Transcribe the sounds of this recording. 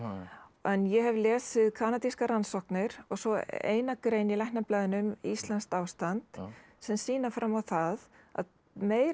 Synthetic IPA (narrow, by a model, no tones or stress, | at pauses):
ɛnjɛɦɛvlɛːsvɪðkʰaːnat̪iskaɾansɔhknɪɾɔɣsɔḛːjnakɾeːjnɪlajhnaplaːðɪnʏmist̪lanst̪aːwst̪ant̪ | sɛmsiːnafɾamːawθað | a̰ð | meːjɾ